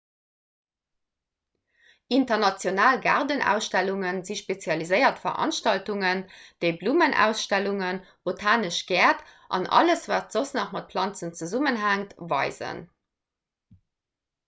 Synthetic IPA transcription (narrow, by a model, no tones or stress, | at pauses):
ʔintɐʁnɑt͡sjonaːlɡa̰ʁdənæ̰ʊsʃtæluŋənziʃpet͡sjɑlizəɪɐtfɐʁʔɑ̰nʃtɑltuŋənd̥əɪbluːmənʔæ̰ʊsʃtæluŋən | b̥otʰaːnəʃɡ̥ɛːtʔɑ̰nʔɑ̰ləsvaːtz̥osnɑχmɑt̚pʰlɑnt͡sənt͡səzumənɦæŋtvɑ̰ɪzə̰n